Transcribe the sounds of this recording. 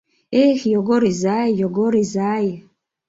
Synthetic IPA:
ehjoɡoɾizajjoɡoɾizaje

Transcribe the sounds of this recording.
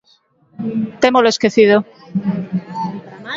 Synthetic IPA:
t̪emoloeskeθiðo

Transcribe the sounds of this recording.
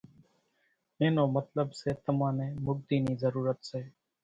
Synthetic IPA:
ɪnõːmət̪ləbseːt̪əmãːneːmʊɡ̚d̪iːniːzəɾuːɾət̪seː

